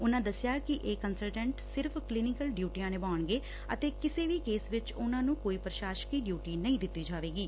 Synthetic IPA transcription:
ʊnãːd̪əsɪjaːkɪʔeːkənsəlʈə̃ːɳʈsɪɾpʰklɪnɪkəlɖjuːʈijãːneːbaːɳɡeː | ət̪eːkɪseːʋiːkeːsʋɪt͡ʃʊnãːnũːkoːiːpɾəʃaːʃkiːɖjuːʈiːnəĩːd̪ɪt̪ːiːd͡ʒaːʋeːɡiː

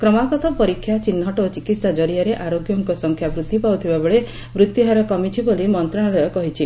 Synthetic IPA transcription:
kɾɔmakɔt̪ɔpɔɾikʰːjat͡ʃinːɔʈɔːt͡ʃikit̪sad͡ʒɔɾiaɾeʔaɾoɡjɔŋkɔsɔŋkʰjabɾut̪ːipawt̪ʰibabeɭe | bɾut̪juɦaɾɔkɔmit͡ʃʰibolimɔnt̪ɾɔɽ̃ɔɭeɔkɔɦit͡ʃʰi

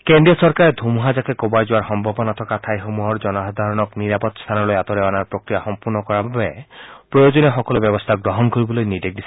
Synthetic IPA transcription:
kenɖiɔsɔɾkaɾed̪ʱumuɦad͡ʒakekobajd͡ʒuwaɹxɔmbʱɔbɔnat̪ʰɔkat̪ʰajɦomuɦɔɹd͡ʒɔnɔɦad̪ʱaɾɔnɔkniɾapɔt̪st̪ʰanɔlojat̪ɔɾɛanaɹpɹokɾijaxɔmpuɾnɔkɔɾababepɹɔjod͡ʒɔnexɔkɔlobjɔbɔst̪ʰaɡɾɔɦɔnkoɾibɔlojnidek̚d̪is

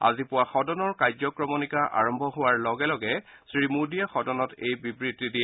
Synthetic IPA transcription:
a̰zipʊwaxɔdɔnɔɹkajzɔkɹɔmɔnikaʔa̰ɹɔmbʱɔɦʊwaɹlɔɡɛlɔɡɛ | sɹimudiaxɔdɔnɔtejbibɹitːidiɛ

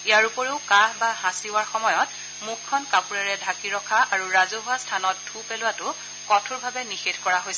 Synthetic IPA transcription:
ijaɹupɔɹeʊkaɦbahãsiwaɹxɔmɔjɔt | mukʰːɔnkapuɹaɹɛdʱakiɹɔkʰaʔaɹuɹazoɦʊwastʰanɔtdʰupelʊwatʊ | kɔtʰuɹbʱabɛnixetʰkɔɹaɦojsɛ

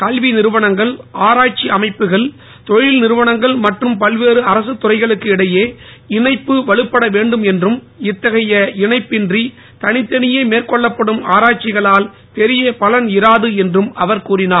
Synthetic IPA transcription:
kɐlʋinɪɾɯʋɐɳɐŋɡɐɭʔaːɾaːʈ̚t͡ʃiɐmɐɪpːɯɣɐɭ | t̪ɔɻɪlnɪɾɯʋɐɳɐŋɡɐɭmɐʈrɯmpɐlʋeːɾɯɐɾɐsɯt̪ːʊrɐɪɣɐɭɯkːɯɪɽɐjeːɪɳɐɪpːɯʋɐɭɯpːɐɽɐʋeːɳɖɯmɛndrɯm | ɪt̪ːɐɣɐjɐɪɳɐɪpːɪndri | t̪ɐnɪt̪ːɐnɪjeːmeːrkɔɭːɐpːɐɽɯmaːɾaːʈ̚t͡ʃɪɣɐɭaːl | pɛɾɪjɐpɐlɐnɪɾaːðɯɛndrɯmɐʋɐɾkuːrɪnaː

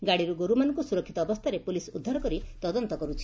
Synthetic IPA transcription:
ɡaɽiɾuɡoɾumanɔ̃ŋkusuɾɔkʰːit̪ɔːbɔst̪ʰaɾepulisud̪ʱːaɾɔkɔɾit̪ɔd̪ɔnt̪ɔkɔɾut͡ʃʰi̥

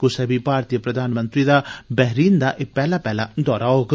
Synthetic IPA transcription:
kʊsɛːbipaːɾt̪ijəpɾəd̪ʱaːnmə̃nt̪ɾiːd̪aːbɛɦɾiːnd̪aːʔɪpɛːlaːpɛːlad̪ɔːɾaɦoːɡ

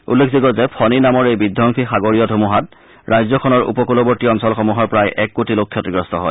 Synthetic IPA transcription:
ṵlːekʰziɡɔzɛpʰɔninamɔɹejbidʱɔŋkʰixaɡoɹijɔdʱomuɦat̚ | ɹʔajzɔkʰɔnɔɹṵpɔkulɔbɔɹtiɔnsɔlxɔmuɦɔɹpɹajʔɛkːotilokʰːjɔtɡɹɔstɔɦɔ̰j

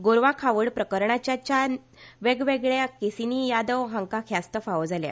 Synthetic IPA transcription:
ɡoɾʋãkʰaʋəɽpɾəkəɾɳat͡ɕjat͡ɕa | ʋeɡʋeɡɭjakesinijad̪əwɦãŋkakʰjast̪əfaʋəd͡zalja̰

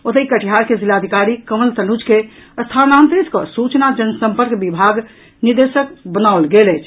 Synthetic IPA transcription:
ot̪əikəʈʰiɦaɾkezilad̪ʱikaɾikəməlt̪ənud͡ʒkeəst̪ʰanant̪ɾeskə̰sut͡ʃnad͡ʒənəsə̃mpəɾkbibʱaɡ | niɾd̪esəkbənaolɡeləjt͡ʃʰ

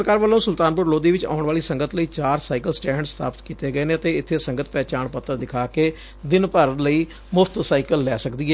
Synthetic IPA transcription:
ɾəkaːɾʋəlːõːsʊlt̪aːnpʊɾloːd̪iːʋɪt͡ʃa̰ːʊɳʋaːliːsəŋɡət̪ləiːt͡ʃaːɾsaːɪkəlsʈɛ̃ːɳɖst̪ʰa̰ːpə̥t̪kiːt̪eːɡəeːnẽːət̪eːɪt̪ʰːeːsəŋɡət̪̚pɛːt͡ʃaːɳpət̪ːəɾd̪ɪkʰaːkeː | d̪ɪnpəɾət̪ləiː | mʊfʰt̪saːɪkəlːɛːsəkd̪iːɦɛː

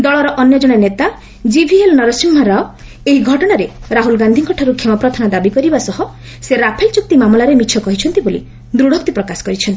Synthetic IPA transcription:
d̪ɔɭɔɾɔʔɔnjɔd͡ʒɔɽ̃enet̪a | d͡ʒibʱielɔnɔɾɔsimɦɔɾaɔ | eɦiɡʱɔʈɔɽ̃aɾeɾaɦulɡand̪ʱiŋkʰɔʈʰaɾukʰemɔpɾɔt̪ʰanad̪abikɔɾibasɔɦɔ | seɾapʰelt͡ʃuk̚t̪imamɔlaɾemit͡ʃʰɔkɔɦit͡ʃʰɔn̪t̪ibolḭ | d̪ɾuɽ̤ʱɔkt̪ipɾɔkasɔ̥kɔɾit͡ʃʰɔnt̪i

